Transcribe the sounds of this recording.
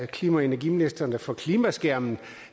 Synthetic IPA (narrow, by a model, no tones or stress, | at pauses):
kʰliːmæenæɐɡiminisd̥ɐnəfɒ̽kʰliːmæsɡ̥æɐmn̩